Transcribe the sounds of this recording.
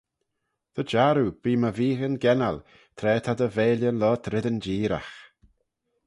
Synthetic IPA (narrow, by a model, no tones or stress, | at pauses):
t̪ʰəd͡ʒaɾub̥iːməviːɣənɡɛna̰l | t̪ʰɾɛːt̪ʰad̪əveːljənlɔːt̪ʰɾɪd̪ənd͡ʒiːɾa̰x